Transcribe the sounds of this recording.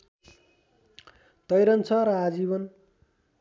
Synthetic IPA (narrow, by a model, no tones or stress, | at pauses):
t̪ʌjɾʌnt͡sʰʌɾʌad͡ziβʌn